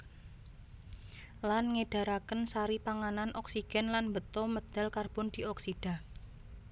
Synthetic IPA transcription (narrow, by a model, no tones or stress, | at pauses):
lanŋeɖ̥a̤ɾakənsaɾipaŋananʔɔksiɡ̥ɛ̤nlanmbət̪ɔməd̪̥a̤lkarb̥ʊ̤nd̪̥i̤ɔksiɖ̥a̤